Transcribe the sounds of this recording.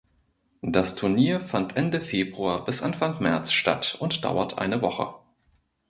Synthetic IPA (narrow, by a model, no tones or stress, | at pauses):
d̥astʰʊɐniːɐfantʰʔɛndəfeːbʁuaɐbɪsʔanfaŋmɛɐt͡sʃta̰tʊntd̥a̰ʊɐtʔa̰ɪnəvɔχə̰